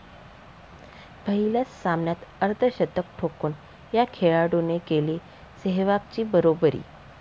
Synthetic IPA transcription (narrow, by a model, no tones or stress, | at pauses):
bʱəɦilat͡ssamnjat̪əɾt̪ʰəɕət̪ək̚ʈʰokuːn | jakʰeɭaɽunekeliː | seɦʋap̚t͡ɕiːbəɾobəɾḭː